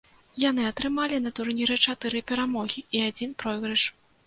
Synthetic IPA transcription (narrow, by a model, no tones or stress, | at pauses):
janɨɐt̪ɾɨmalʲinɐt̪urnʲiɾɛt͡ʂat̪ɨɾɨpʲɛɾamɔɣʲiiad͡zʲinpɾɔjɣɾɐʂ